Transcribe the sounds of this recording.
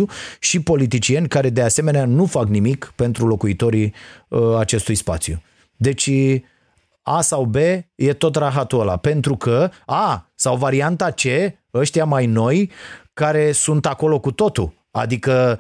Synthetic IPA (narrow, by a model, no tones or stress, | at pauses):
uʃipo̞lit̪̬it͡ʃije̞nʲkaɾe̞d̪ease̞me̞neanufaknimikpe̞nt̪ɾulo̞kuit̪o̞ɾi | at͡ʃe̞st̪ujspa̰t̪sjṵ | d̪e̞t͡ʃʲ | asawbe̞je̞t̪o̞t̪ɾaɦat̪uala̰pe̞nt̪ɾukʰəasawvaɾiant̪at͡ʃe̞ | əʃt̪ijamajno̞jkaɾe̞sunt̪ako̞lo̞kut̪o̞t̪u | a̰d̪ikə